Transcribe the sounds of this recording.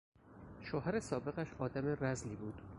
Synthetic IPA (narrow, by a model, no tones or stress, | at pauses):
ʃohæɾesɒːbe̞ɣæʃɒːd̪æme̞ɾæzliːbuːd̪̥